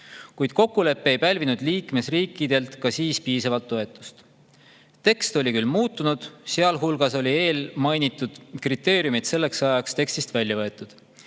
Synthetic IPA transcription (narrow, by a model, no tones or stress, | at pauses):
kujd̪̥ko̞kːule̞pːee̞jpælʲvinud̪̥liːkme̞sriːkːˑid̪̥e̞lt̪kɑsiːspiːsɑvɑlt̪ːo̞e̞t̪ːˑu̥st̪ | t̪e̞kst̪o̞lʲikylːmuːt̪ːˑunud̪̥seɑlɦulɡ̥ɑso̞lʲie̞ːlmɑjnit̪ːˑud̪̥krit̪ːˑe̞ːɾijumit̪se̞lːe̞ksɑjɑkst̪e̞kst̪ist̪vælʲjɑvɤ̞et̪ːˑud̪̥